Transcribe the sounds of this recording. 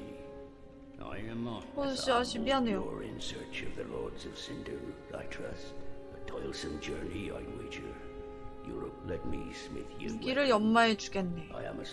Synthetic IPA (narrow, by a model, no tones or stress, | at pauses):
a̰ɪɨ̃mposʌɕiɦaɕʰibiɦanejoɪ̰̃nsɜ˞t͡ʃʌvðɨlɔɹdzʌv̥sɪ̃ndə˞la̰ɪtʰɹ̥ɛsətʰɔɪlˠsə̃md͡ʒɜ˞nia̰ɪneɪt͡ʃə˞ | jʊɹəp̚lɛt̚mḭsmɪ̰θjɡiɾɯɭjʌmːaet͡ɕu̥ɡenːeaɪɨ̰̃mə